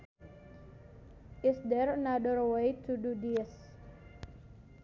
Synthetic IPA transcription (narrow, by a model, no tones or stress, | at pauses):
ʔisdɛɾənadərwejtʰududis